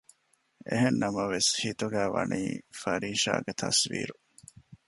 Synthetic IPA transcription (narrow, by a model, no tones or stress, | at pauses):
ḛɦenːɐmɐʋeshit̪uɡæːʋɐniːfɐɾiːʃa̰ːɡet̪ʰɐsʋḭːɾu